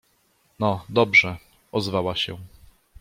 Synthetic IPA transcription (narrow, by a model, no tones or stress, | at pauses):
nɔd̪ɔbʐɛ | ʔɔzvawaɕɛ